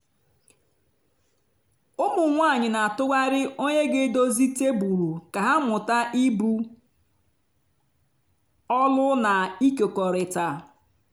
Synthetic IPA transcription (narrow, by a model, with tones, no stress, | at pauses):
ʊ˦mʊ˨ŋʷa˦˨ɲɪ˨na˨tʊ˦ɡa˦ɾɪ˦o˦ɲe˦ɡɪ˦do˦zi˦te˦bu˨ɾu˨ka˨ɦa˦mʊ˨ta˦ʔi˦bu˦ | ɔ˦lʊ˦na˨i˦ke˨kɔ˨ɾɪ˨ta˨